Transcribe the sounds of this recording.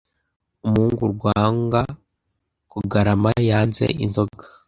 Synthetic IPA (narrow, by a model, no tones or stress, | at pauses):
umhuːŋɡuɾɡwaːŋɡa | kuɡaɾamajaːnzḛʔḭnzoɡḁ